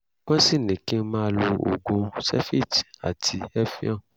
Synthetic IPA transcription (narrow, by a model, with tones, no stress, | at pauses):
kɔ̃˦si˦˨nĩ˨kĩ˦mã˦˧lo˧o̰˨ɡũ˧sɛ̰˦fi˦˨t͡ʃa̰˨tʰi˧ɛ˦fĩ˦ã˦˨